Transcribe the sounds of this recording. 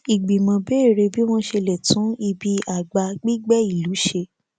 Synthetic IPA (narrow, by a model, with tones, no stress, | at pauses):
i˨ɡ͡bi˨mã˧be˦e˦˨ɾe˧bi˦w̃ɔ̃˦ʃe˧lɛ˨tũ˨˦i˧bi˧a˨ɡ͡ba˧ɡ͡bi˦ɡ͡bɛ˦i˦˨lu˨˦ʃe˧